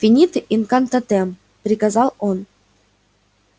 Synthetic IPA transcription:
fʲinʲit̪ʔinkɑnt̪ɑt̪em | pɾʲikazɑlˠon

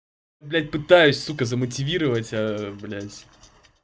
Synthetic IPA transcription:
blʲætʲpɨt̪ajʉsʲsukəzəmətʲɪvʲiɾəvətʲɐblʲætʲ

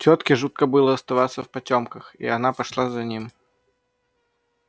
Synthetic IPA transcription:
t͡ɕʲot̪kʲɪʐut̪̚kəbɨlˠəɐst̪avat̪sːəfpɐtʲomkəxḭɐnapɐʂlˠazɐnʲim

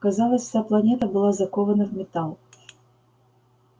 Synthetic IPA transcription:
kazalˠɐsʲʂt̪plˠanʲɛt̪ɐbɨlˠazɐkɔvɐnɐvmʲɛt̪alˠ

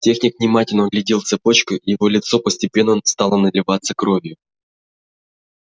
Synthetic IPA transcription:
tʲe̞xnʲɪkvnʲɪmatʲɪlʲnəɡlʲɪdʲilˠt̪sɨpo̞t͡ɕkʊijɪvo̞lʲɪt̪so̞pəsʲtʲɪpʲe̞nːəst̪alˠənəlʲɪvat̪səkɾo̞vʲjʊ

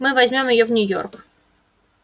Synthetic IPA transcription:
mɨvɐzʲmʲo̞mjɪjovnʲʊjo̞̰rk

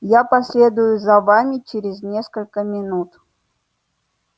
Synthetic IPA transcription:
japɐsʲlʲe̞d̪ʊjʊzɐvamʲɪt͡ɕeɾʲɪzʲnʲeskəlʲkəmʲɪnut̪

